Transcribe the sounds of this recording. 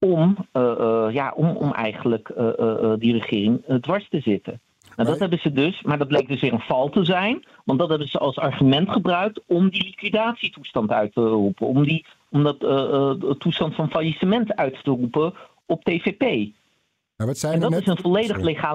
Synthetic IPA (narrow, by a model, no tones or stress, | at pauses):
ɔm | ja̰ːʔɔ̰mɔ̰mɛ̰jχənələkədirəχɪːrɪŋdʋɑɹstəzɪtə̰ | nadɑtɦɛbənzədɵsmaːɹdɑd̚blejk̚dɵsʋɪːɹənv̥ɑlˠtəzɛjn | ʋɑndɑtɦɛbənzəʔɑlˠsɑɹχymɛntχəbrœɥk̚tɔmdilikʋidaːtsitustɑntœɥtərupənɔmdi | ɔmdɑt | tːustɑntfɑnfajisəmɛntœɥtːərupə | ɔp̚tejvepej | ɛndɑɪsənvɔlejdəχleχaː